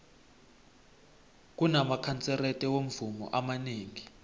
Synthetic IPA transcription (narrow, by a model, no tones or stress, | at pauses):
k̬ʼunamakʰant͡sʼɛrɛtʼɛwom̩vumɔ̰ʔamaneːŋi